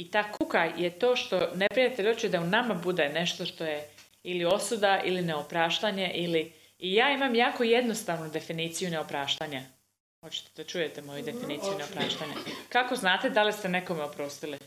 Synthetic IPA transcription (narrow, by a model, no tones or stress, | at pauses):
it̪aːkukajet̪o̞ːʃt̪o̞ne̞pɾijat̪eʎot͡ʃid̪aunamabud̪ene̞ʃt̪o̞ʃt̪o̞je | ilio̞sud̪aʔḭline̞opɾaːʃt̪aɲeʔiliː | jaːimamjaːkoje̞d̪no̞st̪aːʋnud̪e̞finiːt̪sijuneo̞pɾaːʃt̪aɲa | xo̞t͡ɕi̥t̪ed̪at͡ʃujet̪emo̞jud̪e̞finiːt̪ijuneopɾaːʃt̪aɲakako̞znaːt̪ed̪alist̪e̞ne̞ko̞meopɾo̞ːst̪ili